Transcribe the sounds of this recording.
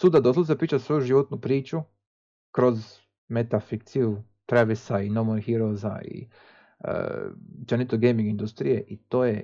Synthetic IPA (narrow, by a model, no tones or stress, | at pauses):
sud̪ad̪osazapɾiːt͡ʃasʋo̞juʒiʋot̪nupɾiːt͡ʃu | kɾo̞z | met̪afik̚t̪siju | t̪ɾeʋisainomohiɾoza̰ḭ | ə̰t͡ʃenit̪oɡejmiŋɡind̪ust̪ɾije̞ʔit̪o̞ːje